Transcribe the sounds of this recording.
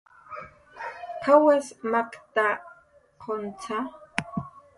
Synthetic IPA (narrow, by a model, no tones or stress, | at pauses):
qʰawesmakt̪a | qʰont͡sʰa